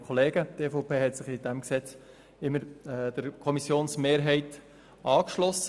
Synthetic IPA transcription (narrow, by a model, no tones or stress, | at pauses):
kʰɔleːɡəteːfɔʊpeːɦɛtsɪχɪdæmksɛt͡s | ɪmːəɾd̥əɾkʰɔmisjoːnsmeːɾɦɛɪt | ʔɑːkʃlɔs